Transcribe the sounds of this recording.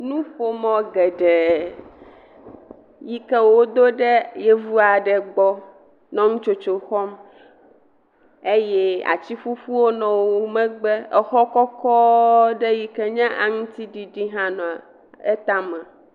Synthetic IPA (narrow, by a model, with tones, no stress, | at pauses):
nũ˦ɸo˦mɔ̃˦ɡɛ˨ɖɛ˨ | ji˦kɛ˦wo˦d̪o˦ɖɛ˦jɛ˦vu˦a˨ɖɛ˨ɡ͡bɔ˦ | nɔ̃˦ŋũ˦t͡ʃo˦t͡ʃo˨xɔ˦m | e˦jɛ˦a̰˨t͡ɕi˦ɸu˦ɸu˦wo˦nɔ̃˨wo˦mɛ̃˦ɡ͡bɛ˦ɛ˨xɔ˦kɔ˦kɔ˦ɖɛ˦ji˦kɛ˦ɲã˦ʔa˨ŋũ˦t̪i˦ɖi˨ɖi˦ɦã˦nɔ̃˨a˨ | e˦t̪a˦mã˨